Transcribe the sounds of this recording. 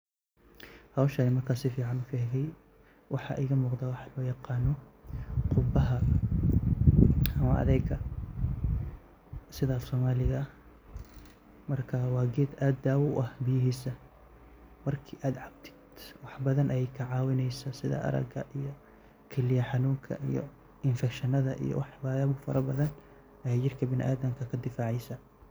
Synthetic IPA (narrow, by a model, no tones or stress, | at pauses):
hɐwʃɐnɪmɐrkʰaːsɪfiːʕɑnʊfɪhɛɣɛj | wʔɑħɑ̰ʔɪɣɐmuːqd̪aːwɑħɑlɔːjɑqɑːnɔqʰʊbɐɦɐ | ɐmɐɐ̰ðɛɡɐ | sɪðɐːfsɔːmaːlɪɣɐ | mɐrkʰɐwɑːɡɛːd̪aːd̪ːaːwʊʔɐhbɪjɪɦiːsɐ | mɐrkʰiːʔaːd̪ʕɑbt̪ʰɪ̥d̪̥wɑħbɐðɐnʔɐjɛjkʰɐʕɑːwɪnɛjsɐsɪðɐ̰ʔɐ̰ɾɐ̰ɡɐ̰ʔijɞ | kʰɛlɪjɐħɑnuːŋkʰɐ̰ʔijɔ̰ | ɪnfɛkʃɐnɐðɐʔḭjɔ̰wɑħbɐbʊfɐɾɐbɐðɐn | ɐjɛjt͡ʃɪrkʰɐbɪnʔa̰ːd̪ɐmkʰɐkʰɐd̪ɪfaːʕɛjsɐ